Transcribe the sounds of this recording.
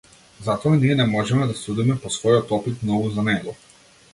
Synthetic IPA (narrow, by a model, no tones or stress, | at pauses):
zat̪ɔaniɛnɛmɔʒɛmɛd̪asud̪imɛpɔsvɔjɔt̪ɔpit̪nɔvuzanɛɡɔ